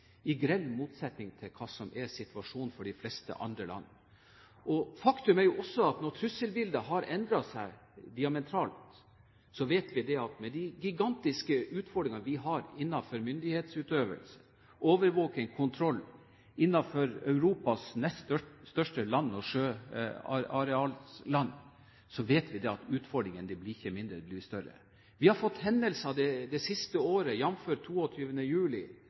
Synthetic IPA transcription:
ɪɡɾɛlmuːt̪sɛt̪nɪŋt̪ʰɪlkʰɑːsɔmʔɛsɪt̪ʉʋɑʂuːnfɔɖɪflɛst̪ə̰ʔɑ̰nd̪ɾəlɑ̰nːə | ʔɔfɑkt̪ʉmæɾjʊʔɔsːɔɑt̪nɔt̪ʰɾʉsːəlbɪld̪əɦɑɾɛnd̪ɾɑsæɪd̪ɪɑmɛt̪ʰɾɑːlt̪ | sɔʋeːt̪ʋɪd̪ɛɑt̪mɛd̪ɪɡɪɡɑnt̪ɪskəʔʉːt̪fɔɖɾɪŋɑʋɪɦɑɾɪnːɑfɔɾmʏnd̪ɪheːt̪sʉːt̪øːʋə̰lsə̥ | oːʋəɾʋoːkənkʰʊnt̪ʰɾɔlː | ɪnːɑfɔɾœʉɾuːpɑsnɛst̪œst̪œʂʈəlɑnːɔʂøːɑ̰ɑɾɛɑːllɑnː | sɔʋeːt̪ʋɪd̪ɛɑt̪ʉːt̪fɔɖɾɪŋənd̪ɛblɪɪçːəmɪnd̪ɾəblɪst̪œɾə̰ | ʋɪhɑɾfɔt̪ːhɛnd̪əlsɑd̪ɛd̪ɛsɪst̪əoːɾəjɑmføːʈt̪ʰːuːɔt̪ʰyːʋənəjʉːlɪ̰

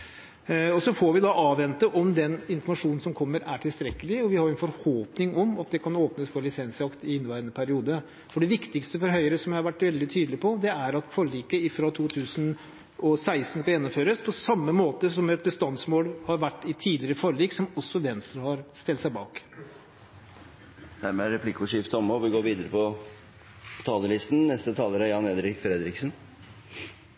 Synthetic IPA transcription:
ɔsɔfɔɾʋɪd̪ɑʔɑːʋːɛnt̪əʔɔmd̪ɛnɪnfɔɾmɑʂuːnn̩sɔmkʰɔmːəɾæʈʰɪlst̪ɾɛkːəlɪɔʋɪhɑɾjʊɛnfɔɾhoːpnɪŋɔmɑt̪̚d̪ɛkʰɑnoːpnəsfɔɾɭɪsɛnsɑkt̪ɪɪnːʋæɪɾənəpʰæɾɪuːd̪ə | fɔɖɛʋɪkt̪ɪkst̪əfɔɾɦœʏəɾəsɔmjæɪhɑɾʋæʈːʋɛld̪ɪt̪ʰyːd̪lɪpʰɔd̪ɛæɾɑt̪fɔɾɭiːkəɪfɾɑt̪ʰuːt̪ʰʉːsən | ɔsæɪsn̩skɑljɛnːɔmføːɾəspʰɔsɑmːəmoːt̪əsɔmɛt̪̚bəst̪ɑnsmoːlhɑɾʋæʈːɪt̪ʰiːd̪lɪɾəfɔɾɭiːksɔmɔsːɔʋɛnst̪ɾəhɑɾst̪ɪlt̪sæɪbɑːk | d̪̥æɾmɛæɾɛpʰlɪkːʊʂɪft̪əɔmɔʋɪɡoːɾʋiːd̪əɾəpʰɔ | t̪ʰɑːləlɪst̪n̩nɛst̪ət̪ʰɑːləɾəjɑneːd̪ɾɪkfɾɛd̪ɾɪksən

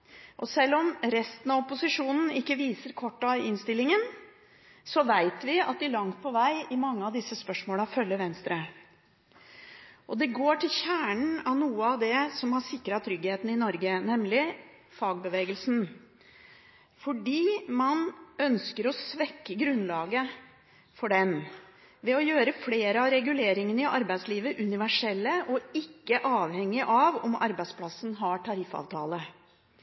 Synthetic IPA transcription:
ʔɔsɛlːɔmɾɛst̪ən̩ɑɔpʊsɪʂuːnn̩ɪkːəʋiːsəɾkʰɔʈːɑɪnst̪ɪlːɪŋən | sɔʋæɪt̪ʋɪɑ̰t̪̚d̪ɪlɑŋt̪̚pʰɔʋæɪɪmɑŋːəɑʋd̪ɪsːəspœʂmoːlɑfœlːəʋɛnst̪ɾə | ʔɔd̪ɛɡoːʈʰɪlçæːɳn̩ɑʋnuːəɑʋd̪ɛsɔmhɑsɪkːəɾɑt̪ʰɾʏɡheːt̪n̩ɪnɔɾɡənɛmlɪ | fɑːɡ̚bəʋeːɡəlsn | fɔɖiːmɑnœnskəɾɔsʋɛkːəɡɾʉnlɑːɡə | fɔɖɛm | ʋɛɔjøːɾəfleːɾəɑɾɛɡʉleːɾɪŋənɪʔɑɾbæɪsliːʋəʔʉnɪʋæʂɛlːəʔɔɪkːəʔɑːʋhɛŋːɪʔɑʋɔmɑ̰ɾbæɪspʰlɑsn̩ɦɑʈʰɑɾɪfɑ̰ːʋt̪ʰɑ̰ːlə

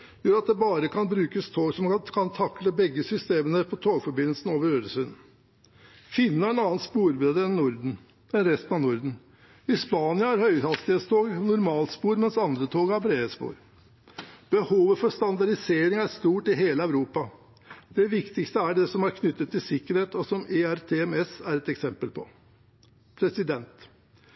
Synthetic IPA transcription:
jøːɾɑt̪̚d̪ɛbɑːɾəkʰɑnbɾʉːkəst̪ʰoːɡsɔmkʰɑnt̪ʰɑkləbɛɡːəsʏst̪eːmənəpʰɔt̪ʰoːɡfɔɾbɪnəl̩sn̩oːʋəɾøːɾəsʉnn̩ | fɪnːəæɾɛnɑːnspuːɾbeːd̪əɛnːʊɾd̩̪ | ɛnɾɛst̪nɑʋnʊɾd̪n̩ | ɪspɑːnɪɑæɾhœʏɑst̪ɪhet̪st̪ʰoːɡnʊɾmɑːlt̪spuːɾmɛnsɑnd̪ɾət̪ʰoːɡhɑɾbɾeːəspṵːɾ | b̥əhuːʋəfɔʂt̪ɑnd̪ɑɖɪseːɾɪŋæʂt̪uːʈɪɦeːləæʉɾuːpɑ | d̪̥ɛʋɪkt̪ɪkst̪əæɖɛsɔmæɾkʰnʏt̪ːət̪ʰːɪlsɪkːəɾheːt̪ɔsɔmeæɾt̪ʰeɛmɛsæɾɛt̪ɛksɛmpəlpʰɔ | pʰɾɛsɪd̪ɛnt̪

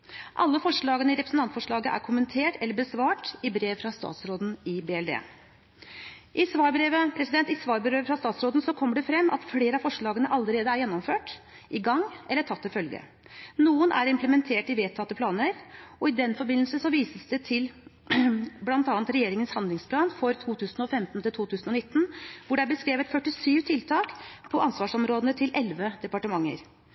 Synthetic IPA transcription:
ʔɑlːəfɔʂɭɑːɡənəɪɾɛpɾəsn̩t̪ɑnt̪fɔʂɭɑːɡəʔæ̰ɾkʰʊmənt̪ʰeːʈɛlːəɾbəsʋɑːʈɪbɾeːʋfɾɑst̪ɑ̰ːt̪sɾoːd̪n̩ɪbeːɛld̪ḛː | ʔɪsʋɑːɾbɾeːʋəpʰɾɛsɪd̪ɛnt̪ɪsʋɑːɾbəɾøːfɾɑst̪ɑːt̪sɾoːd̪n̩sɔkʰɔmːəɖɛfɾɛmːɑ̰t̪fleːɾəɑfɔʂɭɑːɡənəʔɑlːəɾeːd̪əæɾjɛnːɔmføːʈ | ʔɪɡɑŋːʔɛlːəʈʰɑt̪ːɪfœlɡə̰ | nuːənʔæ̰ɾɪmpləmɛnt̪ʰeːʈɪʋeːt̪ʰːɑt̪ːəpʰlɑːnəɾɔɪd̪ɛnfɔɾbɪnl̩səsɔʋiːsəsd̪ɛt̪ʰɪl | blɑnt̪ɑːnt̪ɾɛjeːɾɪŋənshɑnd̪lɪŋspʰlɑːnfɔɾt̪ʰuːt̪ʰʉːsnɔfɛmt̪n̩t̪ʰɪlt̪ʰuːt̪ʰʉːsnɔnɪt̪ːn̩ʋʊɖɛæɾbəskɾeːʋət̪fœʈːɪsyːʋt̪ʰɪlt̪ʰɑːkpʰɔʔɑnsʋɑːʂɔmɾoːd̪ənət̪ʰɪlʔɛlʋəd̪ɛpɑʈəmɑŋːə̰ɾ

